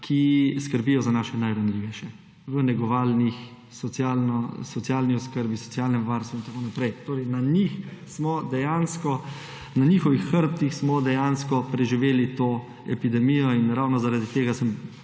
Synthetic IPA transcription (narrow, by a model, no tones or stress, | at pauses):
kʰiskəɾbijɔzanaːʃɛnajɾanliʋɛʃjɛ | ʋənɛɡɔʋaːlnix | sɔsjaːlnɔsɔtsjaːlniɔskəɾbisɔ̥t̪t͡s̪jaːlnɛmʋaɾst̪ʋuint̪akoːnapɾɛjt̪oːɾɛjnanixsmɔd̪ɛjanskɔ | naniːxɔʋixːəɾp̚t̪ixsmɔd̪ɛjaːnskɔpɾɛʒiʋeːlit̪oː | ɛpid̪ɛmiːjɔinɾawnɔzaɾad̪it̪eːɡasəm